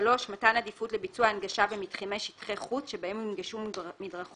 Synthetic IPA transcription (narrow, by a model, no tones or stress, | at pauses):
lo̞ʃmatanad̪ifutlebit͡suaːnɡaʃavemitχimejʃitχeχut͡sʃebaemimɡiʃummidʁaχ